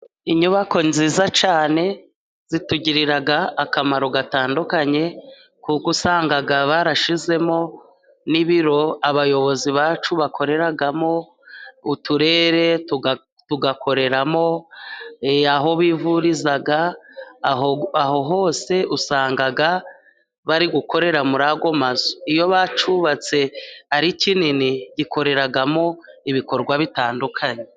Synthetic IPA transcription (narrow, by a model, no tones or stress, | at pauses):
iɲuβako̞nziːzat͡ʃaːne̞ | z̥ituɟiɾiɾaɡaːkamaɾo̞ɡataːndukaɲe̞ | kukusaːŋɡaɡaβaɾaʃize̞mo̞ | niβiɾo̞aβajo̞βo̞ziβaːt͡ʃuβakʰo̞ɾe̞ɾaɡamo̞ | utuɾe̞ːɾe̞tu | tuɡakʰo̞ɾe̞ɾamo̞ | aɦo̞βivuɾizaɡa | aɦo̞ɦo̞ːse̞usaːŋɡaɡa | βaɾiɡuko̞ɾe̞ɾamuɾaɡo̞mazoijo̞βat͡ʃuβat͡se̞aɾicininiɟikʰo̞ɾe̞ɾaɡamo̞iβiko̞ɾɡwaβitaːndukʰaɲe